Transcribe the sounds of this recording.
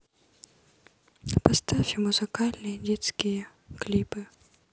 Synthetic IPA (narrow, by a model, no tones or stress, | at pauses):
pɐst̪afʲɪmʊzɨkalʲnɨjədʲet̪skʲijə | klʲipɨ